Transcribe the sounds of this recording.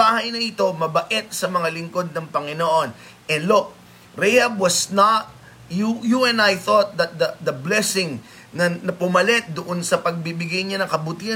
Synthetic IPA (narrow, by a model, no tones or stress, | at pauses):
aːhɐjnɐʔɪt̪o̞mɐbɐʔɛt̪̚sɐmɐŋalɪŋko̞d̪̚nɐŋpɐŋɪnoʔo̞n | ʔɛnlok̚ | ɾɛjhɐb̚wɐsnat̪̚ | jujuɛnajθot̪̚d̪ɐt̪̚d̪ɐd̪ɐblɛsɪŋ | nɐnɐpʊmɐlɛt̪̚d̪ʊʔo̞nsɐpɐɡ̚bibɪɡajɲanɐŋkɐbʊt̪ihɐ